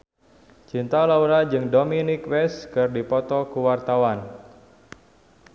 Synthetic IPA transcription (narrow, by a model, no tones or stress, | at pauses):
t͡ʃint̪alauɾad͡ʒɨŋdominikwɛskɨrdipɔt̪ɔkuwart̪awan